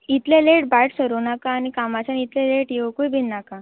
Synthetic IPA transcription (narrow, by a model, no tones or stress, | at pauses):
it̪leleʈbajʈsəɾunakaːñikamat͡ɕanit̪leleʈjeʋəkujbʱinnaka